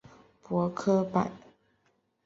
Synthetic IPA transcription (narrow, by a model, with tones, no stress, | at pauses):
pwɔ˧˥kʰɤ˥pa̰˨˩˦n